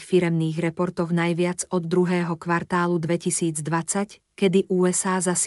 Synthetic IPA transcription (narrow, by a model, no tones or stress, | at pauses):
xfiɾɛmniːɣɾɛpɔɾt̪ɔʊnajʋɪad͡zɔd̪ːɾuɦɛːɦɔkʋaɾt̪aːlud̪ʋɛcisiːd͡zd̪ʋat͡sac | kɛd̪iʔuːɛsaːzas